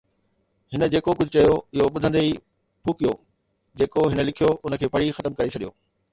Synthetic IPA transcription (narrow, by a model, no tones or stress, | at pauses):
hɪnəd͡ʑeːkokʊd͡ʑʱʊt͡ɕɐjoɪɦoɓʊd̪ʱə̃nd̪eiː | pʰuːkijoː | d͡ʑeːkoɦɪnə̆lɪkʰijoʔʊnəkʰeːpɐɽixɐt̪əmkɐɾet͡ɕʰɐɗijo̰ː